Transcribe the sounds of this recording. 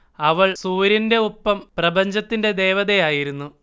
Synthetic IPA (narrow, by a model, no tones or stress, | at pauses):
ɐʋɐɭsuːɾjɐnde̞upːɐmprɐbɐɲd͡ʑɐt̪ːinde̞d̪e̞ːʋɐðejaːjiɾunːu